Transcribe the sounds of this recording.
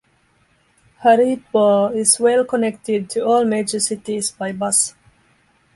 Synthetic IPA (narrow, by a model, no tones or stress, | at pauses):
haɾit̚bɔɪzwɛlˠkənɛk̚tɪd̚tʰɨɔlmeɪd͡ʒə˞sɪtizbaɪbʌs